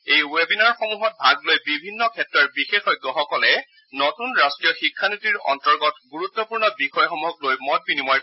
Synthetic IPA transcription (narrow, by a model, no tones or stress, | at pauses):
ejwebinaɹxɔmuɦɔt̚bʱaɡlojbibʱinːɔkʰɛtɹɔɹbixexɔjɡːɔɦɔkɔlɛ | nɔtunɹastɹijɔxikʰːanitiɹɔ̰ntɔɹɡɔtɡuɹutːɔpuɹnɔbixɔjxɔmuɦɔklojmɔt̚binimɔj